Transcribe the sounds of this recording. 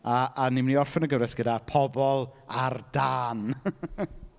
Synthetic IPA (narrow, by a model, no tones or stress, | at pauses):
aːniməniɔrfɛnəɡəvɾɛsɡ̥ədapʰɔbɔlˠard̥aːn